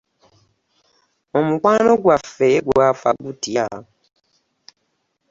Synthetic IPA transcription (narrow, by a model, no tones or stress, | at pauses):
omukwaːnoɡwafeɡwaːfa̰ɡutia